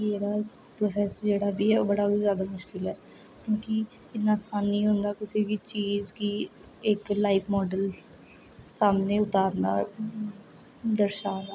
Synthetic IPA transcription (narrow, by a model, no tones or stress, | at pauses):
eːɾaː | pɾoːs̬ɛːsd͡ʒeːɽaːbiːɛoːbəɽaːzjaːd̪aːmʊʃkɪlɛː | kjõːkɪ | ɪt̪naːsaːnːĩːɦʊ̃nd̪aːkɪsiːbiːt͡ʃiːzkiː | ɪklaːɪpʰmɔːɖəl | saːmneːʊt̪aːɾnaː | d̪əɾʃaːnaː